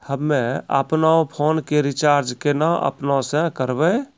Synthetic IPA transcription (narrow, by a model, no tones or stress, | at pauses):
həmːẽə̰pnaõpʰonkeɾit͡ʃaɾd͡ʒkenaʔə̰pnaosə̃kəɾbə